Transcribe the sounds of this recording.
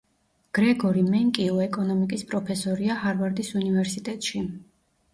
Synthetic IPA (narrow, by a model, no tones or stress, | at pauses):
ɡ̥ɾɛɡɔɾimɛŋkʼiɔɛkʼɔnɔmikʼispʼɾɔpʰɛsɔɾiahaɾvaɾd̪isunivɛɾsit̪ʼɛt̪ʼʃi